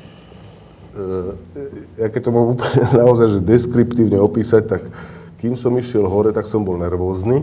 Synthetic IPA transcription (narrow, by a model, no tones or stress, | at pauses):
jakɛc̚t̪ɔmɔɦumuːpɛnaɔzajʒɛd̪ɛskɾipt̪iːʊɲɛɔpiːsac̚t̪akː | imsɔmiʃɪɛlɦɔɾɛt̪aksɔmbɔlnɛɾʋɔːzniː